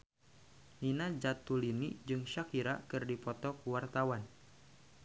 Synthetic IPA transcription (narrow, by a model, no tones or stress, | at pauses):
ninad͡ʒat̪ːulinid͡ʒɨŋʃakiɾakɨrdipɔt̪ɔkuwart̪awan